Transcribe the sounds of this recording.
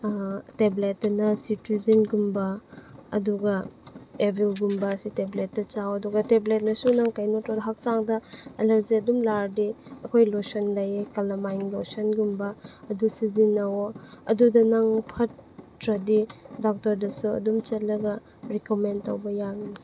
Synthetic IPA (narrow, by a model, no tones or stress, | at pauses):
teblet̚dɐnɐsituzinɡumbɐɐ̰duɡɐebilɡumbɐsiteblet̚dɐt͡ʃawɐduɡɐteblet̚nɐsunaŋkajnotadɐɦak̚saŋdɐɐlɐɾzeɐdumlaɾdiɐkʰojlosɔnlɐjkɐlɐmajŋlosɔnɡumbɐːdusizinːɐwɐdudɐnaŋpʰɐtɾɐdidɔk̚tɐɾdɐsuɐ̰dumt͡ʃɐt̚lɐɡɐ | ɾikomentawbɐjaɡi